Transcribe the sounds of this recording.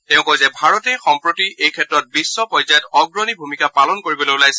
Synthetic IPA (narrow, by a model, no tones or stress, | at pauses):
tɛʊ̃kɔjzɛbʱaɹɔtɛxɔmpɹotiʔejkʰɛtɹɔt̚bisːɔpɔjzajɔtɔɡɹɔnibʱumikapalɔnkoɹibɔlolajsɛ